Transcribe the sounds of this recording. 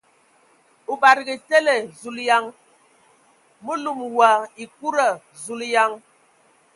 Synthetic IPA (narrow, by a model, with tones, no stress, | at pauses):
u˨ba˨ɾi˨ɡi˨te˦le˨zu˨lja˦ŋ | mu˦lu˦˨mwa˨i˨ku˦ɾə˨ | zu˨lja˦ŋ